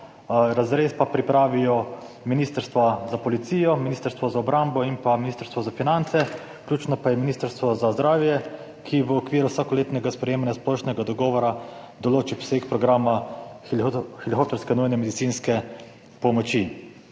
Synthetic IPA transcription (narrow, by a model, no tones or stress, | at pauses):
ɾazɾeːspapɾipɾaːʋijɔ | miniːst̪əɾst̪ʋazapɔlit̪siːjɔminist̪əɾst̪ʋɔzaɔbɾambɔimpaminiːst̪əɾst̪ʋɔzafinant̪sɛ | klʲjuːt͡ʃnɔpajɛminiːst̪əɾst̪ʋɔzazd̪ɾaːwjɛ | kʰiʋəɔkʋiːɾuwsaːkɔleːt̪nɛɡaspɾɛjeːmanjasplɔʃnɛɡad̪ɔɡɔːʋɔɾa | d̪ɔloːt͡ʃipsekpɾɔɡɾaːma | xilixoːp̚t̪ɛɾskɛnujnɛmɛd̪it̪sinskɛ | pɔmɔt͡ʃi